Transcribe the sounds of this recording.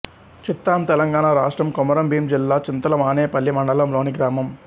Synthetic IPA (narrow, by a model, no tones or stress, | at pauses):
t͡ʃit̪ːaːmt̪ɛlɐŋɡaːnaːɾaːʂʈɾɐmkɔmɐɾɐmbiːmd͡ʒilːaːt͡ʃint̪ɐlɐmaːneːpɐlːimɐɳɖɐlɐmloːniɡɾaːmɐm